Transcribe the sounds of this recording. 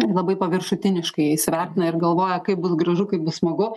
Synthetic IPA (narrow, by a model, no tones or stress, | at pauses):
lˠɐbɐɪpɐʋʲɪrʃʊt̪ʲɪnʲɪʃkɐɪjɛɪsʲʋʲærʲt̪ʲɪnɐɪrɡɐlˠʋoːjɛkɐɪp̚bʊsɡɾɐʒʊkɐɪp̚bʊssmɐɡʊ